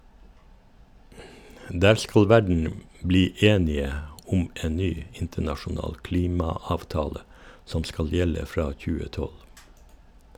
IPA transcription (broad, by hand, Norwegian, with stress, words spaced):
ˈdæːɾ ˈskɑl ˈʋæɖɳ̩ ˈbliː ˈeːnɪə ˈʊm ˈeːn ˈnyː ˈɪntənɑʃʊˌnɑːl ˈkliːmɑɑːʋˌtɑːlə ˈsɔm ˈskɑl ˈjɛlə ˈfɾɑː ˈçʉːə ˈtɔl